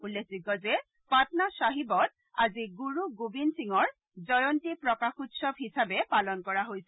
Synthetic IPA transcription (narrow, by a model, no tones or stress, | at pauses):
ulːekʰzikɔzɛ | patnasaɦibɔt̚ | aziɡuɹuɡubinsiŋɔɹ | zɔjɔntipɹɔkaxutsɔbɦisabɛpalɔnkɔɹaɦojsɛ